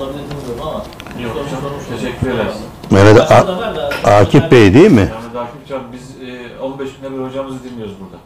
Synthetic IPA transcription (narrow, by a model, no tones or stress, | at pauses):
t̪ʰeʃɛkʲːyɾelɛmened̪ɛʔa | aːcʰipbejd̪ijimɪnɛd̪aːkʰift͡ʃʰabizo̞nbɛʃɡynlɛbiɾho̞d͡ʒamɯzid̪inmʲijo̞ɾuzbuɾd̪a